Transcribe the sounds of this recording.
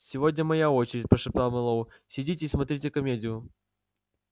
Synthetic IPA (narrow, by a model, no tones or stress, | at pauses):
sʲɪvodʲnʲəmɐjao̞t͡ɕɪɾʲɪt̚ʲpɾəʂɨp̚t̪alˠmɨlˠoʊ | sʲɪdʲitʲɪːsmɐt̪ɾʲitʲɪkɐmʲedʲɪjʊ